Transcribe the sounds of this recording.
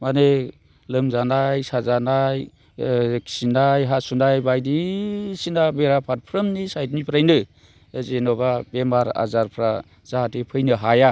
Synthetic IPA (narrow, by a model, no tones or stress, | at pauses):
mane | lɯmzanajsazanaj | kʰsinajɦasunajbajdisinabeɾapʰaɾ̚pʰɾəmnisajt̬nipʰɾajnɯ | zenɔbabemaɾa̰zaɾpʰɾa | z̥aɦatipʰɯjnɯɦaja